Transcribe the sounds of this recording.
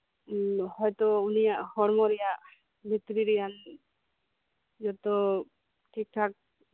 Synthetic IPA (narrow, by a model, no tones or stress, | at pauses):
hɔjt̪ɔunijaʔhɔɽmɔɾɛjaʔ | mit̪ɾiɾɛjan | d͡ʒɔt̪ɔ | kikʰak̚